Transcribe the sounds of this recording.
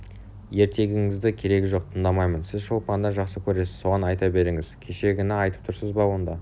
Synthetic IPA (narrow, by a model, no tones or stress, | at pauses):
je̞ɾt̪e̞ɡʲɪŋɪzd̪ɪkʲʰe̞ɾe̞ɡʲɪʒo̞q̚t̪ʰənd̪ɑmɑjmənsɪzʃo̞lˠpɑnd̪ɑʒɑqsəkʲʰɵɾe̞sɪz̥so̞ʁɑnɑjt̪ɑbe̞ɾɪŋɪzkʲʰe̞ʃe̞ɡʲɪnɪɑjt̪əp̚t̪ʰʊɾsəzbɑwo̞nd̪ɑ